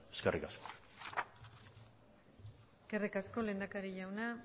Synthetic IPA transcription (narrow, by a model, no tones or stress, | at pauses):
eskerʔikasko̥ | eske̞rikasko̞le̞ːnd̪akaɾiʝawna